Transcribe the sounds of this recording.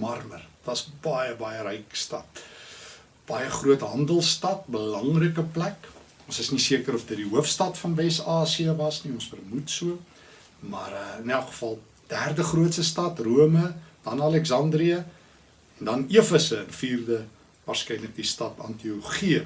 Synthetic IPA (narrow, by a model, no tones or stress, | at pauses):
mɐrmərvɐsbɐjəbɐjəɾɛjkstɐt | b̥ɐjəχruətɦɐndəlˠstɐt̚bəlɐŋrəkəplæk | ɔ̃nsəsnisiəkəɾɔfdətdiɦuəfstɐtfɐnvɛsɑːsiəvɐsniɔ̃nsfərmutsuə | mɐ̰rəənælˠkχə̥fɐlˠ | d̥ærdəχruətsəstɐtruəməd̥ɐnɐlɛksɐndriə | ɛndɐniəfəsəənfiːrdə | vɑːrskɛjnlək̚distɐtɐ̰ntioχiə